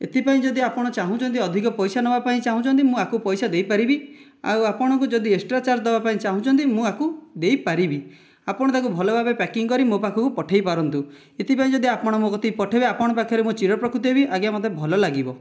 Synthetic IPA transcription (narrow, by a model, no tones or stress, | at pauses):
et̪ipaĩd͡ʒɔd̪iapɔɽ̃ɔt͡ʃaɦũt͡ʃʰɔnt̪̬iɔd̪ʱikɔpɔjsanɔbapaĩt͡ʃaɦũt͡ʃʰɔnt̪̬imũakupɔjsad̪ejpaɾibi | a̰wapɔɽ̃ɔ̃ŋkud͡ʒɔd̪ieksʈɾat͡ʃaɾd̪ebapaĩt͡ʃaɦũt͡ʃʰɔnt̪imũakud̪ejpaɾibi | apɔɽ̃ɔt̪ʰakubʱɔlɔbʱabepɛkiŋɔkɔɾimopakʰɔkupɔʈʰejpaɾɔnt̪u | et̪ipaĩd͡ʒɔd̪iapɔɽ̃ɔmokɔt̪ʰipɔʈʰebeapɔɽ̃ɔpakʰjɔɾemut͡ʃiɾɔpɾɔkɾut̪iebiʔaɡjamɔd̪ʱebʱɔlɔlaɡibɔ